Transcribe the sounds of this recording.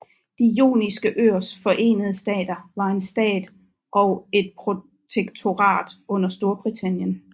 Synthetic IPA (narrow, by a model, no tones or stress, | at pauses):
d̥ijo̝̰ːnisɡ̥əʔøɐ̰sfɒ̽ʔe̝̰ːnəð̞ˠəsd̥ɛ̰ːd̥ɐʋɑ̈e̝nsd̥ɛ̰ːd̥ | ʔɒ̽e̝d̥̚pʰʁo̝ | t͡sʰeɡ̥t͡sʰo̝ʁɑ̰̈ːd̥ɔ̽n̰ɐsd̥o̝ːɐb̥ʁit͡sʰæn̰jən